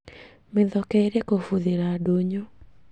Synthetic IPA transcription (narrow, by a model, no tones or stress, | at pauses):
mɪðɔkɛɾɛkofuðiɾadoɲɔ